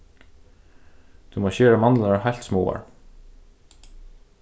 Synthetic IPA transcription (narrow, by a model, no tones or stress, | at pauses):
t̪ʰumoːɕœːɾamanlaɾaɹhajlt̪smɔːa̰ɹ